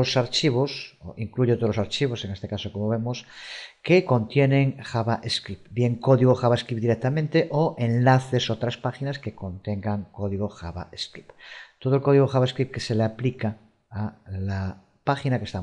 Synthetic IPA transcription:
osaɾt͡ʃiβoso̰ʔiŋkluʝo̞t̪olosaɾt͡ʃiβ̞o̞se̞ŋest̪ekaso̞ko̞moβ̞e̞moskeko̞nt̪je̞nẽ̞ŋxaβaʔeskɾipbje̞ŋko̞ðiɣ̞oxaβaeskɾip̚d̪iɾek̚t̪amẽnt̪e̞ʔoʔe̞nlaθe̞so̞t̪ɾaspaxinaske̞ko̞nt̪e̞ŋɡaŋko̞ðiɣoxa̰βa̰eskɾipt̪o̞ð̞olko̞ð̞iɣoxaβaeskɾip̚ke̞se̞leaplika | ala | paxinakest̪a

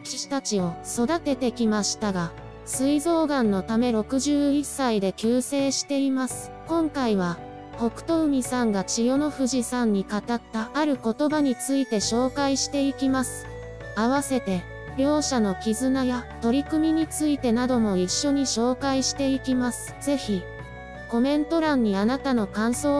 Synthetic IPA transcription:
kɕt̪at͡ɕio̞so̞d̪at̪e̞t̪e̞kʲimaɕi̥t̪aɡa | sɨizo̞ːɡãnːo̞t̪ame̞ɾo̞kɯ̟ʑɨːisːaid̪e̞kʲɨːse̞ːɕi̥t̪e̞imasɨ̥ | kõ̞ŋkaiβ̞a | ko̞kɯ̟̥t̪o̞ɯ̟m̟ʲisãŋɡat͡ɕijo̞no̞ɸɯ̟ʑisãɲ̟ːikat̪at̪ːaːɾɯ̟ko̞t̪o̞baɲ̟it͡sɨit̪e̞ɕo̞ːkaiɕi̥t̪e̞ikʲimasɨ̥ | aβase̞t̪e̞ | ɾʲo̞ːɕano̞kʲizɨnajat̪o̞ɾʲikɯ̟mʲiɲ̟it͡sɨit̪e̞nad̪o̞mo̞iɕːo̞ɲ̟iɕo̞ːkaiɕi̥t̪e̞ikʲimasɨ̥z̥e̞çi | ko̞mẽ̞nt̪o̞ɾãɲ̟ːianat̪ano̞kãɰ̃so̞ː

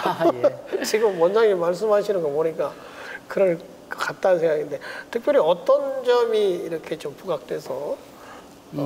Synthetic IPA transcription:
t͡ɕiɡɯmːwʌnd͡ʑaɡimaɭs̬͈ɯmɦaɕʰinɯnɡoboɲik͈a | kɯɾʌɭ | kkat̚t͈ansʰe̞ŋɡaɡindetɯk̚p͈ʰjʌɾiʌt͈ʌnd͡ʑʌmiːɾʌkʰe̞t͡ɕompuɡak̚t͈we̞sʰʌ

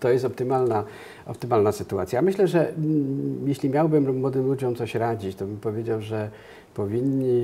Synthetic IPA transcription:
t̪ɔjɛst̪ɔp̚t̪ɘmalna | ʔɔ̰p̚t̪ɘmalnasɘt̪uat̪sʲjamɘɕlɛʐɛ | jɛɕlʲimʲjawbɘmmwɔd̪ɘmlud͡ʑɔmt̪sɔɕɾad͡ʑit͡ɕt̪ɔbɘmpɔvʲjed͡ʑawʐɛ | pɔvʲiɲːi

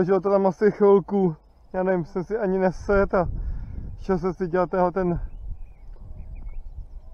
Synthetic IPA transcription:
oʒɪlot̪ot̪amasɪxvɪlku | jaːnɛvɪmsɛmsɪʔaɲɪnɛsɛt̪a | ʃɛos̬ɛsɪɟɛlat̪ːɛnɦlɛt̪ɛn

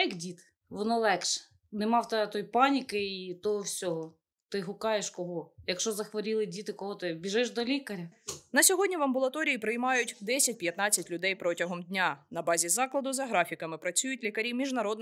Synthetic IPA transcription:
ɐkdʲit̪ | ʋɔnɔlˠɛkʃɛ̥ | nɛmɑwt̪ɛt̪ɔjpɑnʲikɪit̪ɔɦɔwsʲɔɦɔ | t̪ɪɦʊkɑjeʃkɔɦɔjɐkʃt͡ʃɔzɐxʋɔɾʲilˠɪdʲit̪ɪkɔɦɔt̪ɪbʲiʒɪʃd̪ɔlʲikɐɾʲɐnɐsʲɔɦɔdʲnʲiʋɐmbʊlˠɐt̪ɔɾʲiipɾɪjmɑjʊtʲd̪ɛsʲɐt̚ʲpjɐt̪nɑt͡sʲːɐtʲlʲʊd̪ɛjpɾɔtʲɐɦɔmdʲnʲanɐbɑzʲizɑklˠɐd̪ʊzɐɦɾɑfʲikɐmɪpɾɐt͡sʲujʊtʲlʲikɐɾʲimʲiʒnɐɾɔd̪n

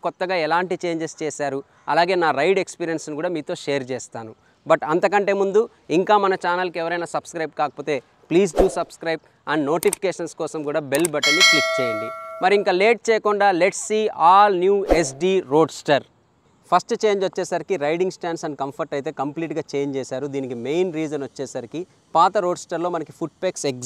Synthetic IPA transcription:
kɔt̪ːɐɡaːɛlaːɳʈit͡ʃe̞ːɲd͡ʒest͡ʃɛːsaːɾu | ɐlaːɡe̞ːnaːɾɐjɖekspiːɾijɐnsnikuːɽaːmiːt̪o̞ːʃeːɐɾt͡ʃɛːst̪aːnu | bɐʈɐnt̪ɐkɐɳʈe̞ːmund̪u | iŋkaːmɐnɐt͡ʃaːnɐlkɛʋɐɾɐjnaːsɐb̥skɾɐjp̚kaːkɐpo̞ːt̪e̞ː | pliːs̬ɖuːsɐbskɾɐjb̚ | ɐnno̞ːʈipʰi̥keːʂɐnskɔːsɐmkuːɽaːbelbɐʈɐlːiklikt͡ʃeːjɐɳɖimɐɾiiŋkaːleːʈ̚t͡ʃɛːjɐkuɳɖaːleʈsːiːaːlnjuːes̬ɖiːɾo̞ːɖsʈɐɾ | pʰɐsʈt͡ʃe̞ːɲd͡ʒʋɐt͡ʃːɛːsaːɾikiɾɐjɖiŋɡsʈaːɳsɐnɖkɐmpʰɐɾʈɐjt̪e̞ːkɐmpliːʈɡaːt͡ʃeːɲd͡ʒt͡ʃɛːsaːɾud̪iːnikime̞jnɾiːd͡ʒɐnʋɐt͡ʃːɛːsaːɾiki | paːt̪ɐɾo̞ːɖsʈɐɾlo̞ːmɐnɐki̥pʰuʈ̚peksek

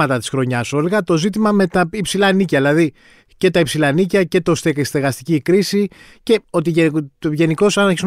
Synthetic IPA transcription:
ɐt̪ɐt̪i̥sxɾo̞ɲɐso̞liɣɐt̪o̞zit̪̬imɐme̞t̪ɐipsilɐnicɐðilɐði | ce̞t̪ɐipsilɐnicɐce̞t̪o̞st̪est̪eɣɐst̪icikɾisi | ce̞o̞t̪iʝeʝe̞niko̞sɐnɐçis

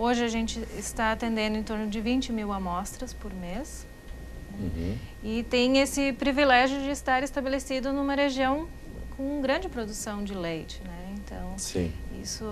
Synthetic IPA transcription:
oʒɪɐʒẽnt͡ʃɪɪst̪aat̪ẽnd̪ẽnd̪ʊẽt̪oɾnʊd͡ʒɪvĩnt͡ʃɪmiwamɔst̪ɾɐspoɾmes | ɛɪt̪ẽj̃esɪpɾivilɛʒjʊd͡ʒɪɪst̪aɾɪst̪abelesid̪ʊnũmɐɦeʒiɐ̃w̃ | kʰõw̃ɡɾɐ̃d͡ʒɪpɾod̪usɐ̃w̃d͡ʒɪlejt͡ʃɪnɛẽnt̪ɐ̰̃w̃sḭ̃ḭsʊ

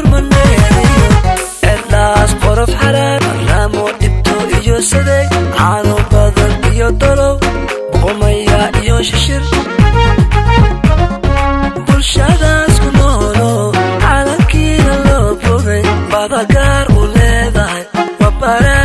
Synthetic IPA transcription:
rmɐnɛɛjɔʔɛd̪aːsqɔɾɔfħɑɾaːɾɐ̰raːmɔɖɪb̚t̪ʰɔʔɪjɔsɛðɛjʕɑɾɔbɐðɐnɪjɔd̪ɔɾɔw | bɔqɔmɐjaʔɪjɔʃɪʃɪr | bʊlʃɐðaskʰʊmɐhɔlɔʕɑlɐkʰiːnɐlɔbʊɣɛjbɐðɐɣaːɾʊlɛːðɐɦɛjwɑbɐɾa

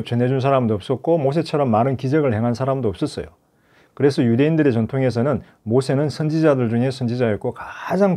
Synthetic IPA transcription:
p̚t͡ɕʌnɦe̞d͡ʑunsʰaɾamdoʌp̚s͈ʌt̚k͈omos̬ʰe̞t͡ɕʰʌɾʌmːaɾɯnkid͡ʑeɡɯɭhe̞ŋɦansʰaɾamdoʌp̚s͈ʌs͈ʌjo̰ | kɯɾe̞sʰʌjude̞indɯɾet͡ɕʌntʰoŋe̞s̬ʰʌnɯn | mosʰe̞nɯnsʰʌnd͡ʑid͡ʑadɯɭd͡ʑuŋe̞sʰʌnd͡ʑid͡ʑajʌk͈okad͡ʑaŋ

